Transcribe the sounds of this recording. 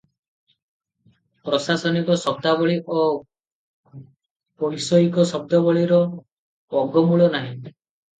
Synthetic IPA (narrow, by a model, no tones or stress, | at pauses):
pɾɔsasɔnikɔsɔb̚d̪abɔɭiʔo | pɔɾisɔɦikɔsɔb̚d̪ɔbɔɭiɾɔ | ɔɡɔmuɭɔnaɦĩ